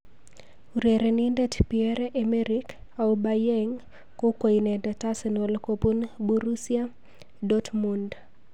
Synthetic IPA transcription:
uɾeɾenindɛtpiɛɾɛʔemeɾik | aubajɛŋ | kokwoinɛndɛtasnolkopunbuɾusia | dɔtmund

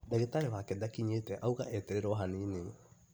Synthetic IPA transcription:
daɡetaeβaːkedakiɲeteʔawɡa̰ʔeteɾeɾoɦanini

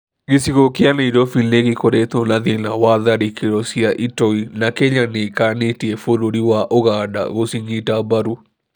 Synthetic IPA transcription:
ɡɪsiɣokɪaneidɔfilneɡɪkoɾet̪onaðɪnawaðaɾikeɾɔsiaʔitɔinakeɲanɪkanetiefoɾoɾiwaʔoɣada̰ɣosiɲitabaɾu

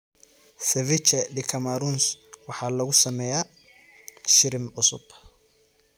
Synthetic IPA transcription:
sɛvɪt͡ʃɐɖɪkʰɐmaɾunswɑħɑːlɐɣʊsɐmɛja | ʃɪɾɪmʕʊsʊ̰b̥

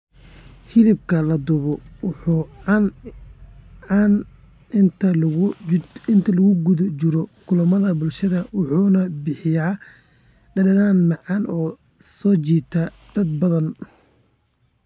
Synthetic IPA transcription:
hɪlɪb̚kʰɐlɐd̪ʊβɔwʊħuːn | ʕɑːn | ɪnt̪ʰɐlɣ | ɪnt̪ʰɐlɐɣʊɡʊðʊt͡ʃɪɾɔkʰʊlɐmɐðɐbʊlʃɐðɐwʊħuːnɐbɪħɪjaː | ɖɐdɐnaːnmɑʕɑnʔɔː | sɔːt͡ʃiːt̪ʰaːd̪̥ɐd̪̚bɐðɐn

